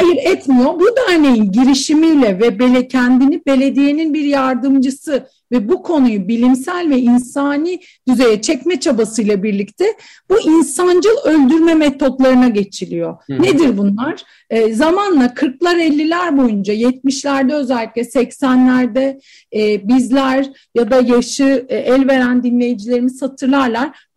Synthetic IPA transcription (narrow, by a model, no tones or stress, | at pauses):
hajɯɾɛt̪mijo̞bud̪æɾne̞jinɟiɾiʃimijlʲɛvɛbe̞lʲecʰænd̪inibe̞lʲe̞d̪ije̞ninbiɾjaɾd̪ɯmd͡ʒɯsɯ | vɛbukʰo̞nujubilʲimsælʲvɛinsaːni | d̪̥yze̞jɛt͡ʃʰɛcmɛt͡ʃʰabasɯjlˠabiɾlʲict̪ʰɛ | b̥uʔinsand͡ʒɯlˠø̞lʲd̪yɾmɛmɛt̪ʰo̞t̪lˠaɾɯnaɟe̞t͡ʃʰilʲijo̞ned̪iɾbunlˠaɾ̥ | zamanlˠakʰɯɾklˠaɾɛlʲːilʲæɾbo̞jund͡ʒajɛt̪̚miʃlʲæɾd̪ɛø̞zælʲːiclʲɛsɛcsænlʲæɾd̪ɛː | bizlʲæɾ | jad̪ajaʃɯɛlʲve̞ɾænd̪inlʲe̞jid͡ʒilʲe̞ɾimishat̪ʰɯɾlˠaɾlˠaɾ̥